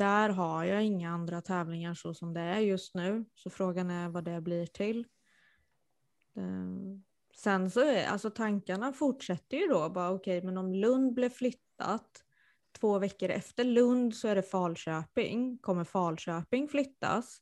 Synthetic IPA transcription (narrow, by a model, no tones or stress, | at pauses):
d̪̥æɾɦaɾjɑːɪŋːaand̪ɾat̪ʰɛːvlɪŋaʂɔsɔmd̪ɛæɾjɵst̪nʉ̟ːsɔfɾoːɡanæɾvad̪ɛblɪʈʰɪl | ɛ | sɛnsɔa̰lsɔt̪ʰaŋkaɳafʊʈʂɛt̪ːəjɵd̪ɔbɑːɾaɔkʰɛjmɛnɔmlɵnd̪̚blɪvflʏt̪ʰːa̰t̪ʰː | voːvɛkːəɾɛ̰ft̪əɭɵnd̪sɔæɖɛfɑːlɕøːpɪ̰ŋkʰɔmːəɾfɑːlɕøːpɪŋflʏt̪ːa̰s